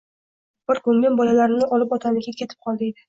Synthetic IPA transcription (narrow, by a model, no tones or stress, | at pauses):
b̥ɪɾkʰɵŋɡʲanbɒlalaɾnɪʔɒlɪpɒt̪ʰanɪɡʲakʲʰe̞t̪ʰɪ̥p̚qʰɒlˠd̪ɪ